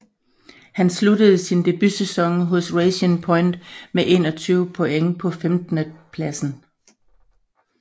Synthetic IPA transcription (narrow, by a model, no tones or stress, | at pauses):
hænsludəð̞̩ˠsind̥e̝b̥ysesɒ̽ŋɦɔsʁeɪɕənpʰɒ̽ɪnd̥meʔe̝̰ːnɒ̽t͡sʰyːʊpʰo̝eŋəpʰɒ̽femd̥ənəpʰlæsn̩